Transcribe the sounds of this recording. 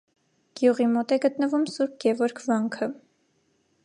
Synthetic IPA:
ɡ̥juʁimɔt̪ɛɡət̪nəvumsuɾp̚ɡɛvɔɾkʰvɑŋkʰə

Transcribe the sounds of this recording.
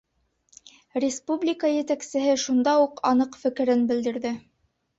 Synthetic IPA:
rʲɪspublʲikajɘ̆t̪æksɘ̆ɦɘʃund̪ɑuqɑnɤqfɘ̆kɘ̆ɾɘnbɘ̆ld̪ɘ̆ɾðɘ

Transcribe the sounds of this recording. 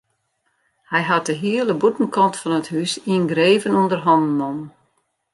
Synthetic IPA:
hɛjɦat̚dəɦiəlˠəbutn̩kɔntfɔnəthysiənɡreːvənundərɦɔndn̩ɔmn

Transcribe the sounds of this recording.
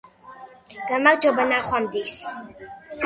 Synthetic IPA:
ɡ̥amaɾd͡ʒɔbanaχwamd̪is

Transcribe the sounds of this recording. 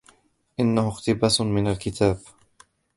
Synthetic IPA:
ʔɪnːahʊxt̪ɪbaːsmɪnalkɪt̪ʰaːb

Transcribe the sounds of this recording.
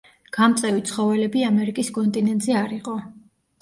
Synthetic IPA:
ɡ̥amt̪sʼɛvit̪sʰχɔvɛlɛbiamɛɾikʼiskʼɔnt̪ʼinɛnt̪ʼzɛaɾiqʼɔ

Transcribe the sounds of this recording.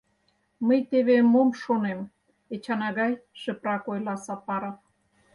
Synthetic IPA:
məjt̪eβemomʃonem | et͡ɕɑnɑɣɑjʃə̆prɑkojlɑsɑpɑɾɑ

